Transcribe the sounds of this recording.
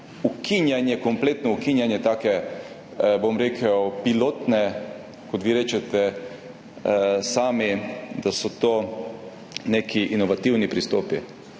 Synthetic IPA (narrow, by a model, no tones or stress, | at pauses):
ukʰinjanjɛkɔmpleːt̪nɔukinjanjɛt̪aːkɛ | bomɾeːkʰəwpiloːt̪nɛ | kɔt̪ʋiːɾeːt͡ʃɛt̪ɛ | saːmid̪asɔt̪oː | nekʰiʔinɔʋat̪iwnipɾist̪oːpi